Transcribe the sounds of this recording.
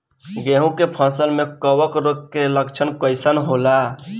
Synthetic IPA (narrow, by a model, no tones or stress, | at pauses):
ɡeɦũkepʰə̃səlmekəwəkɾokːeləkt͡ʃʰənkəɪsənɦola